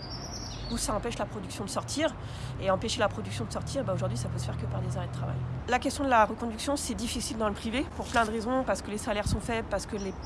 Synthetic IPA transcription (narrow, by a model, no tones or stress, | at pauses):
usaɑ̃pɛʃlapχɔd̪yksjɔ̃d̪əsɔʁt̪ʰiːʁ | eɑ̃peʃelapχɔd̪yksjɔ̃d̪əsɔʁt̪ʰiʁebaoʒuʁd̪ɥisapøsə̥fɛʁkəpaʁd̪ezaʁɛd̪ət̪χava̰jlakʲɛst̪jɔ̃d̪əlaʁəkɔ̃d̪yksjɔ̃sɛd̪ifisild̪ɑ̃ləpχivepuʁplɛ̃d̪ʁezɔ̃paʁsə̥kəlesalɛʁsɔ̃fɛbpaʁsə̥kəle